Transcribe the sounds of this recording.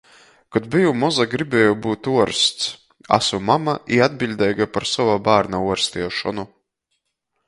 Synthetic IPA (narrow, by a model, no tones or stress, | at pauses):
kad̪bijumɔzaɡɾibɛːjɔbuːt̪uɔɾst̪s | a̰sɔmamaʔiad̪bilʲd̪ɛːɡapaɾsɔvabaːɾnauɔɾst̪iɛʃɔnu